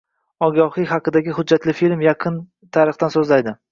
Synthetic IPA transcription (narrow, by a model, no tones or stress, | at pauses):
ɒɡʲɑhɨhɑqɨd̪aɡʲɪhʊd͡ʒːat̪lɪfilmjɑqʰɨn | t̪ʰaɾɨχt̪ansɵzlajd̪ɪ